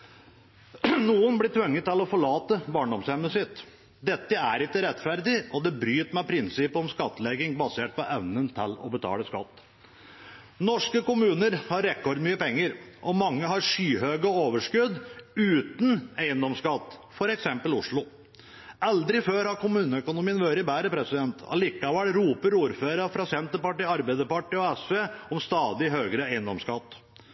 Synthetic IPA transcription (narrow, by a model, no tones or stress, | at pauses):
nuːənblɪʈ̪ʰʋœŋːət̪ːɪlɔfɔɭɑːt̪əbɑːɳɖɔmshɛməsɪt̪ | d̪ɛt̪ːəæɾɪkːəɾɛt̪ːfæɾd̪ɪʔɔd̪ɛbɾyːt̪mæpʰɾɪnsɪpɔmskɑt̪ːəlɛɡɪŋbɑseːʈ̚pɔʔɛʋnənt̪ʰɪlɔ̰bət̪ʰɑ̰ːləskɑ̰t̪ː | nɔʂkəkʊmʉːnəɾhɑɾːɛkɔɾd̪myːəpɛŋːəɾʔɔmɑŋːəhɑɾʂyːɦøːɡɔoːʋəʂkʉd̪ʉːt̪neɪənd̪ɔmskɑt̪ːfɔɾɛksɛmpəlʊʂɭʊ | ʔɛld̪ɾɪføːɾhɑɾkʰʊmʉːnəœkʊnʊmiːənʋøːɾɪbæːɾəpʰɾɛsɪd̪ɛnt̪ɑ̰lɪkːɑʋæɽɾuːpəɾuːɾføːɾəfɾɑsɛnt̪əɾpɑʈɪɑɾbɛɪd̪əɾpɑʈɪɔɛsʋeːɔmst̪ɑːd̪ɪɦøːɡɾəeɪənd̪ɔmskɑt̪ː